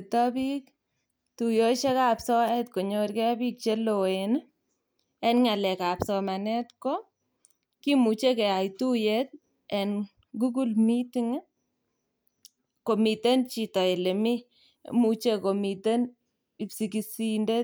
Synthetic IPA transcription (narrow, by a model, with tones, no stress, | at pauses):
t̪a˦bi˦k | t̪u˨jo˦t͡ʃe˦ka˨psɔ˦ɛ˦t̪ko˨ɲo˦ɾkɛ˦a˦bi˦k̚t͡ʃe˦lo˨en˦ | ɛ˦nŋa˨lɛ˨ka˨psɔ˨ma˨nɛ˦t̪ko˦ | ki˦mu˨t͡ʃe˦kɛ˨a˨jtu˦je˦t̪̚ | ɛ˨n | ɡu˦ɡu˦lmiti˦ŋ˦ | ko˨mi˨t̪e˦nt͡ʃi˨tɔ˨e˨le˨mɪ̰˦ | mut͡ʃe˦ko˨mi˨t̪e˦n | i˨psi˨ki˨si˦nde˦